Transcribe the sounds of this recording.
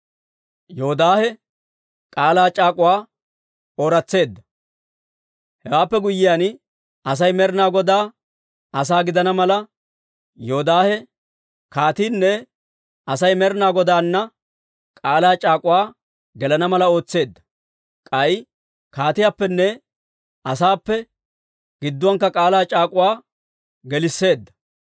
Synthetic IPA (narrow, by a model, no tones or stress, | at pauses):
joɔd̪aːhɛ | kʼaːlaːt͡ʃʼaːkʼʊwaː | oːɾɐt͡sːe̞ːd̪ːɐ | hɛwaːpːɛɡʊjːɪjaːn | ɐs̬ɐjmɛɾnaːɡɔd̪aː | ɐs̬aːɡɪd̪ɐnɐmɐlɐ | joɔd̪aːhɛ | kaːt̪iːnːɛ | ɐsɐjmɛɾnaːɡɔd̪aːnːɐ | kʼaːlaːt͡ʃʼaːkʼʊwaː | ɡɛlɐnɐmɐlɐo̞ːt͡sːe̞ːd̪ːɐ | kʼɐj | kaːt̪ɪjaːpːɛnːɛ | ɐsaːpːɛ | ɡ̥ɪd̪ːʊwɐŋkːɐkʼaːlaːt͡ʃʼaːkʼʊwaː | ɡɛlɪsːe̞ːd̪ːɐ̥